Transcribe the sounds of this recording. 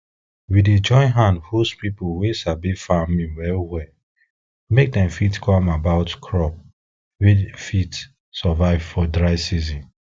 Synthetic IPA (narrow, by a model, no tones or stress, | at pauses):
wided͡ʒɔ̃ɪ̃nɦãndhuspipowesabifamĩwɛɹwɛ | mek̚dɛ̃mfitkʰɔmabaʊtkʰɹɔp̚ | wifit | sɔvaɪvfɔdɹaɪsizɔ̃n